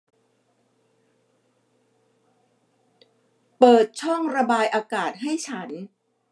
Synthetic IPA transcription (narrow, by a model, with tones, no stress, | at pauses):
pɤː˨˩t̪̚t͡ɕʰɔ˥˩ŋɾa˧baː˧jʔaː˧kaː˨˩t̪̚ɦa˥˩jt͡ɕʰa˦˥n